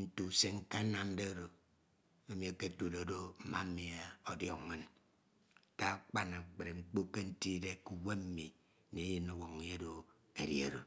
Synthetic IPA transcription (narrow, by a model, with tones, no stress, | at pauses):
n̩˦tu˨se˦ŋ̩˦ka˦na˨m˦de˦o˦ɾo˨ | e˨mi˨a˨ke˦tu˨ɾo˨˦do˦m̩˨ma˦m̩˦mi˨a˨o˨djɔ˨kmɨ˦n | ka˦k͡pa˦na˨k͡pe˨ɾe˨ŋ͡m̩˦k͡po˦ke˦n̩˦ti˦de˦ku˨we˦m̩˦mi˨ | ne˨˦ji˦nːo˦wo˨ŋ˨e˦do˨ | e˨ɾji˦e˨ɾo˨